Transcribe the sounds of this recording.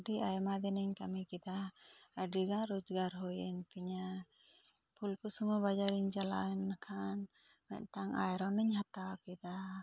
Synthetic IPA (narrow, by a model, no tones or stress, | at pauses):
diʔajmad̪ɛnɛɲkamikid̪aaɖiɡaɾud͡ʒɡaɾɦujɛnpiɲa | pʰulkusumubad͡ʒaɾiɲd͡ʒala̰nːakʰan | mɛ̰ʔt̪aŋa̰jɾɔnəɲɦat̪awkid̪a